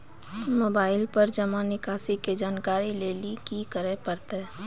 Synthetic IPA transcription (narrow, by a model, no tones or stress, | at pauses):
moːbaːɪlpəɾd͡ʒəmanɪkaːsiked͡ʒaːnkaːɾileːlikikəɾepəɾt̪eɦ